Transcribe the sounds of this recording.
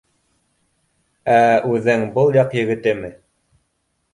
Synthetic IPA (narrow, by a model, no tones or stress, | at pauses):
æʉðɘŋbɤlˠjɑqjɘ̆ɡɘ̆t̪ɘmɘ